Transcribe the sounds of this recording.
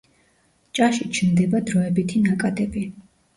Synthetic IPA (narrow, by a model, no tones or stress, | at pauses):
t͡ʃʼaʃit͡ʃʰnd̪ɛbad̪ɾɔɛbit̪ʰinakʼad̪ɛbi